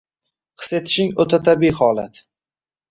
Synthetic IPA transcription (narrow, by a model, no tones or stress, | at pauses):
qʰɨ̥se̞t̪ʰɪ̥ʃɪŋot̪ʰat̪ʰabiːhɒlat̪